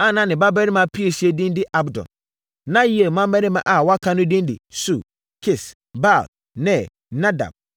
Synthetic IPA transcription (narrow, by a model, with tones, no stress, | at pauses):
a˦nã˨˦nɪ̃˨ba˦bɛ˦ɾmã˨pʰi˦e˨si˦e˦dĩ˦ndɪ˦ʔa˦bdɔ̰̃˨n | nã˦ji˦e˨mã˦mbɛ˦nɪ̃˦mã̰˨ʔa˨wɔ˦a˦kʰã˦nʊ̃˦dĩ˦ndɪ̰˨su˨ | kʰɪ˨s | ba˦˨l | nɛ̃˨ | nã˦da̰˨b̥̚